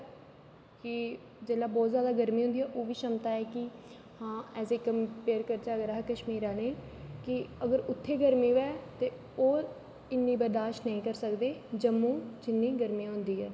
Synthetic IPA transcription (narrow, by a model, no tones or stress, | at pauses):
kɪ | d͡ʒeːlaːbɔːt̪zjaːd̪aːɡəɾmĩːɦʊ̃nd̪iːɛːʔoːʋiːʃəmt̪aːɛːkɪ | hãːɛːseːkəmpeːɾkəɾt͡ʃaːɡɾaːɦkəʃmiːɾãːneːkɪəɡəɾʊt̪ʰːeːɡəɾmĩːʋɛːt̪eː | oː | ɪnːiːbəɾd̪aːʃnəĩːkəɾsəkd̪eːd͡ʒəmːũːd͡ʒɪnːiːɡəɾmĩãːɦʊnd̪iːɦɛː